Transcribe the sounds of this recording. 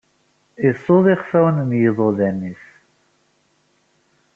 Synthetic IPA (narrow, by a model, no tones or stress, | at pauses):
ɪsˤːoðˤiχfæwənmjəðˤoðænːiθ